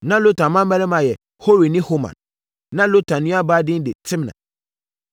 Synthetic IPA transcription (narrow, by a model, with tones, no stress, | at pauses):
nã˦lo˦tʰã˨mã˦m˦mɛ˦lɛ˦mã˨jɛ˨ | ho˦ɾi˨nɪ̃˦ho˦mã̰˨n | nã˦lo˦tʰã˨nʊ̃˦a˦baː˦dɪ̃˦n˦dɪ˨tʰɪ̃˦mnã̰˨